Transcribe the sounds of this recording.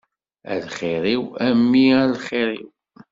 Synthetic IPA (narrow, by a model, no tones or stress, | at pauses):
æ̰lχiɾiwæmːiælχiɾḭw